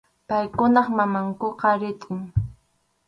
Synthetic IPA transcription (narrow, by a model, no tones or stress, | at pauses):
pajkʊnɑχmamaŋkoqɑɾɪt̪ʼɪŋ